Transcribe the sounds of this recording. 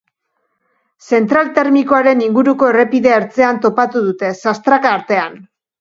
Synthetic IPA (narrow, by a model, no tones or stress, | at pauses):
se̞nt̪ɾalt̪e̞ɾmikoaɾe̞niŋɡuɾuko̞ere̞piðe̞ːɾt͡se̞ant̪o̞pat̪uð̞ut̪e̞sast̪ɾakaːɾt̪e̞an